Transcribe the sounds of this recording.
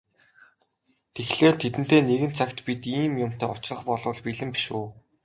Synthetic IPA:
t̪ʰexɮeːɮt̪ʰet̪ɘ̆n̥t̪ʰeːneɣɘ̆nt͡sʰakt̪pit̪iːmjʊm̥t̪ʰæːʊt͡ɕrə̆χpɔɮʊ̆ːɮpiɮɘ̆mpi̥ʃuː

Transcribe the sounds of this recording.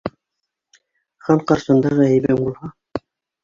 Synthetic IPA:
χɑɴqɑɾʃɑ̆nd̪ɑʁɑæjbæŋbulˠhɑ

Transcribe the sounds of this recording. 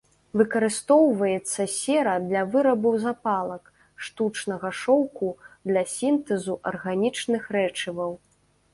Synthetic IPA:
vɨkɐɾɨst̪ɔwvɐjɛt̪sːɐsʲɛɾɐd̪lʲɐvɨɾɐbɐwzapalˠɐk | ʂt̪ut͡ʂnɐɣɐʂɔwkud̪lʲɐsʲint̪ɛzuʔɐrɣanʲit͡ʂnɨxɾɛt͡ʂɨvɐw

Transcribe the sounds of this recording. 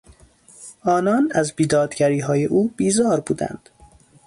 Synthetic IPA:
ʔɒːnɒːnæzbiːd̪ɒːd̪ɟæɾiːɦɒːje̞ʔuːb̥iːzɒːɾbuːd̪æ̰nd̪̥

